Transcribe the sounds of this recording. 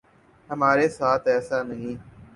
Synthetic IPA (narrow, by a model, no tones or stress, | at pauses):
ɦəmaːɾeːsaːt̪ʰɛːsaːnəɦĩː